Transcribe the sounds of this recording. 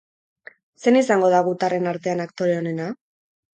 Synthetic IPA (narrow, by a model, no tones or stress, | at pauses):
se̞nisaŋɡo̞ð̞aɣ̞ut̪are̞naɾt̪e̞anakt̪o̞ɾe̞o̞ne̞na